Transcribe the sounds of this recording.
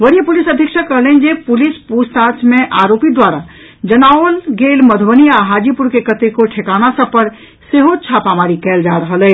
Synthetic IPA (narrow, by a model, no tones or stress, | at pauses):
ʋəɾijəpulisəd̪ʱjəkʃʰəkəɦlɛnd͡ʒepulispust̪at͡ʃmẽʔaɾopid̪waɾa | d͡ʒənaolɡelməd̪ʱbəniaɦad͡ʒipuɾkekət̪ekoʈʰekanasəb̚pːəɾ | seɦot͡ʃʰapamaɾikɛld͡ʒaɾəɦəlɛ